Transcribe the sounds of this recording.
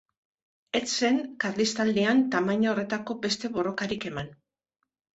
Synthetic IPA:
e̞t͡sːe̞ŋkaɾlist̪ald̪iant̪amaɲoore̞t̪ako̞be̞st̪e̞βo̞ro̞kaɾike̞man

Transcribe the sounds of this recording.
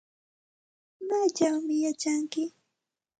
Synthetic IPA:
mat͡ʃawmɪjat͡ʃaŋkɪ

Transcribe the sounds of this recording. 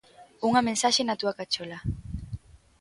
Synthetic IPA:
uŋamensaʃenat̪uakat͡ʃola

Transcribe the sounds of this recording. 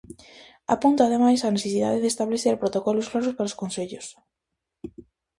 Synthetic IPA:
apunt̪aːðemajsaneθesiða̰ðeðest̪aβleθeɾpɾot̪okɔlʊsfloɾospaɾoskonseʎʊs

